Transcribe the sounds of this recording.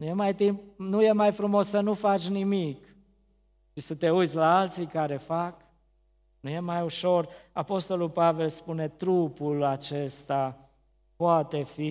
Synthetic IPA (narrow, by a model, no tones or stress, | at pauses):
nujemajt̪impnuje̞majfɾumo̞sːənufat͡ʃʲnimik | ʃisət̪e̞ujt̪sʲlaalt̪sikaɾe̞fak | nuje̞majuʃo̞rapo̞st̪o̞lulpave̞lspune̞t̪ɾupulat͡ʃe̞st̪a | poat̪e̞fi